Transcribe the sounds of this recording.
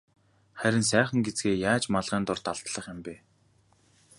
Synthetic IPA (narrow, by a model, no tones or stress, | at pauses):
χæɾʲɪ̆ns̬æːχə̆ŋɡet͡sɡeːjaːt͡ɕmaɮʁ̥æːnt̪ʊrt̪aɮt̪ɮə̆χjămpeː